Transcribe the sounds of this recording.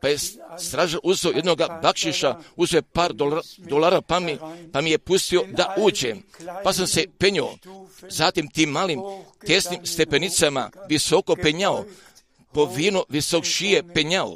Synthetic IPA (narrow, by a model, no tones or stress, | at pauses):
paje̞st̪ɾaːʒalʔuzoje̞d̪noɡabakʃiʃauzoepaːɾd̪od̪olaːɾapamipamije̞pust̪io̞d̪aʔuːd͡ʑempasamse̞peɲoozaːt̪imt̪iːmːaːlimt̪esnimst̪e̞pe̞nit̪sama̰ʋiso̞ko̞peɲao | po̞ʋiːnuʋisokʃiepeɲao̰